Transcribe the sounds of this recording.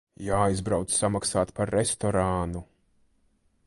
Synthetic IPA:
jaːjzbɾawt̪ssamaksaːt̪paɾːest̪ɔɾaːnu

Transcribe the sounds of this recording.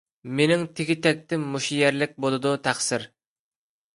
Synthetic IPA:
menɪŋt̪ʰɪkʲit̪ʰɛk̚ʲt̪ɪmːuʃijɛɾlɪk̚ʲbolˠɨd̪ut̪ʰæχsɪɾ

